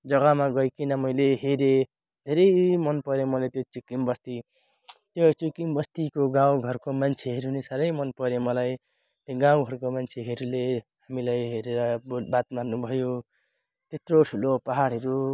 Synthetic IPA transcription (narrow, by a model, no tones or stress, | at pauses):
d͡zʌɡʌmaɡʌjkinʌmʌjleɦeɾe | d̪ʱeɾʌjmʌnpʌɾemʌlet̪jot͡sukimbʌst̪i | t̪jot͡sukimbʌst̪ikoɡãwɡʱʌrkomant͡sʰeɦeɾɦunesaɾʌjmʌnpʌɾemʌlaj | t̪eɡãw̃ɡʱʌɾukomant͡sʰeɦeɾulehamilajɦeɾeɾʌbobat̪marnubʱʌjo | t̪et̪roʈʰulopʌɦaɽɦʌɾu